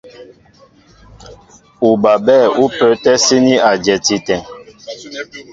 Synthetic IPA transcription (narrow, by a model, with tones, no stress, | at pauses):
u˨ba˨bɛː˦˨u˦pə˨˦tɛ˦si˦ni˦a˨d͡ʒɛ˨ti˨tɛ̃˨ŋ